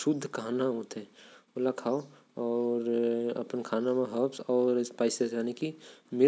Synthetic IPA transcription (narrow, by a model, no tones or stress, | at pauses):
ʃʊd̪ʱːkaːnaɦot̪eolakʰaːo | ɔɾɐ̰pənkʰaːnamẽɦəpsɔːɾspaːɪsed͡ʒaːnekimɪ